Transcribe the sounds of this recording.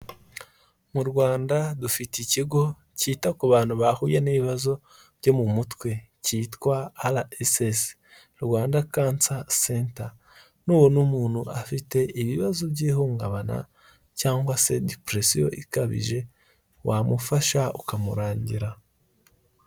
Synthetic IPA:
muɾɡwaːndadufiticiɡo̞ | citakuβaːn̥huβahuːjeniβiβazo̞ | bɟo̞mumutwe̞ | ciːtwaːlaʔeses | ɾwaːndakaːnt͡sasenta | nuːwo̞numuːn̥huʔafite̞ʔiβiβazo̞bɟiːhuːŋɡaβana̰ | caːŋɡwase̞dipɾesijo̞̰ʔikaβḭʒe̞ | wamufaʃaukamuɾaːɲɟiɾa

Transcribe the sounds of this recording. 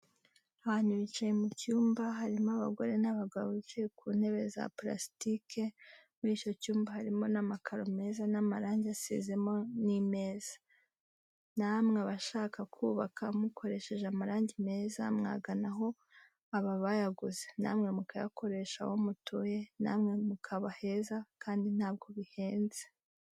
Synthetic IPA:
haaaɲ̥uβit͡ʃajemucuːmbaɦaɾimoaβa̰ɡo̞ɾe̞naβaɡaβot͡ʃekʰuːn̥he̞βe̞za̰pla̰si̥tikʰe̞ | muɾiːt͡ʃo̞cuːmbahaɾimo̞namakʰaɾo̞me̞ːzanamaɾaːɲɟasḭze̞mo̞nime̞ːz̥ḁ | namŋeβaʃaːkakʰuːβakʰamukʰo̞ɾe̞ʃe̞ʒeamaɾaːɲɟime̞ːzamŋa̰ɡanaɦo̞ | aβaβajaɡuzena̰ːmŋe̞mukaja̰ko̞ɾe̞ʃa̰womutʰoje̞na̰ːmŋe̞mukʰaβahe̞zakʰaːndin̥haːb̚ɡo̞βihe̞ːnze

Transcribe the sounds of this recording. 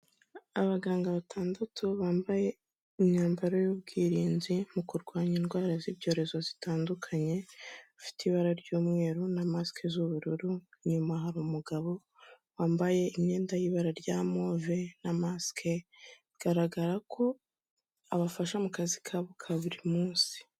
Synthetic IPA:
aβaɡaːŋɡaβatʰaːndatʰuβaːmbaje̞ | imɲaːmbaɾojuːb̚ɡiːɾiːnzimukuɾɡwaːɲinɡwaːɾaziβɟo̞ːɾe̞zo̞zitaːndukʰaɲe̞afi̥tiβaɾaɾɟuːmŋe̞ːɾunamaskʰezuβuɾuɾuɲumaɦaɾumuɡaβo̞ | waːmbaje̞imɲe̞ːndajiβaɾaɾjaːmo̞ːvenamaskʰe̞ | ɡ̥aɾaɡaɾakʰo̞ | aβafaʃamukazikʰaβukʰaβuɾimuːnsi̥

